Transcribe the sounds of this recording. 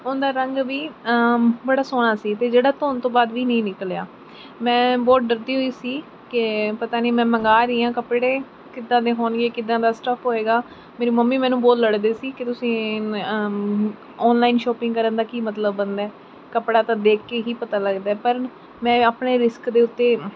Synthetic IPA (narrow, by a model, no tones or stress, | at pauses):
ʊnd̪aːɾəŋɡʋiː | bəɽaːsoːɽaːsiːt̪eːd͡ʒeːɽaːt̪ʰoːnt̪õːbaːd̪ʋiːnəĩːnɪkəlja̰ː | mɛ̃ːbɔːt̪̚ɖəɾd̪iːɦoːiːsiː | kɪpət̪aːniːmɛ̃ːməŋɡaːɾiːãːkəpɽeː | kɪd̪ːãːd̪eːɦoːnɡeːkɪd̪ãːd̪aːsʈəpʰɦoːeːɡaː | meːɾiːməmːiːmɛ̃ːnũːboːlːəɽd̪eːsiːkɪt̪ʊsĩː | ɔːnlaːinʃɔːpɪ̃ŋɡkəɾənd̪aːkiːmət̪ləbːənd̪ɛː | kəpɽaːt̪ãːd̪eːkːeːkiːpət̪aːləɡd̪aːɛːpəɾ | mɛ̃ːaːpɳeːɾɪskd̪eːʊt̪ːeː